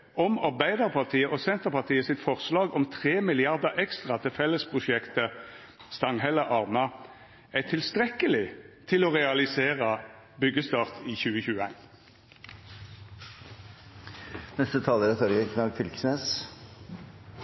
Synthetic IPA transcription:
ɔmɑʁbæɪd̪ɑʁpʰɑʁt̪ʰiːəʔɔsɛnt̪əʁpɑʁt̪ʰiːəsɪt̪fɔʁslɑːɡɔmt̪ʰʁeːmɪlɪɑʁd̪əʔɛkst̪ʁɑt̪ʰɪlfɛlːəspʰʁʊʃɛkt̪ə | st̪ɑŋɦɛləʔɑʁmə | æt̪ʰɪlst̪ʁɛkəlɪt̪ʰɪlɔːʁɛɑlɪseːʁə | bʏɡəst̪ɑːʁt̪ʰiːçʉːəçʉːəæɪn | nɛst̪ət̪ʰɑːləɾɛt̪ʰɔɾɡəkʰnɑːɡfɪlksneːs

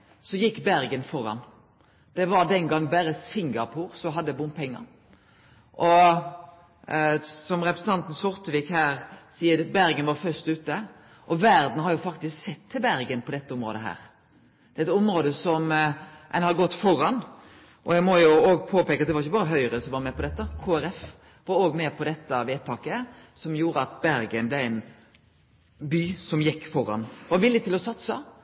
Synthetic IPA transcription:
sɔjɪkːbæɾɡənfɔɾɑ̰n | d̪̥ɛʋɑɾd̪ɛnɡɑŋːbæːɾəsɪŋɡɑpʰuːɾsɔɦɑd̪ːəbʊnpʰɛŋːə̰ɾ | ʔɔ | sɔmɾɛpɾəsən̩t̪ʰɑnt̪n̩sɔɾt̪əʋiːkhæːɾsiːəɾbæɾɡənʋɑɾfœst̪ʉːt̪ːə | ʔɔʋæɾd̪n̩hɑɾjʊfɑkt̪ɪsksɛt̪ʰːɪlbæɾɡənpʰɔd̪ɛt̪ːəʊmɾo̰ːd̪əɦæ̰ːɾ | d̪̥ɛɪt̪ʊmɾoːd̪əsɔmɛ̰nhɑɡɔt̪ːfɔɾɑn | ʔɔjæɡmɔjʊoːɡ̚pʰoːpeːkɑt̪̚d̪ɛʋɑɾɪçːəbɑːɾəɦœʏɾəsɔmʋɑɾmɛːpʰɔd̪ɛt̪ːəkʰoːæɾɛf | ʋɑɾoːɡmeːpʰɔd̪ɛt̪ːəʋeːt̪ʰːɑːkəsɔmjuːɾəɑt̪̚bæɾɡənblɛæɪn | byːsɔmjɪkːfɔɾɑ̰nʋɑɾʋɪlːɪt̪ɪlɔsɑt̪sə

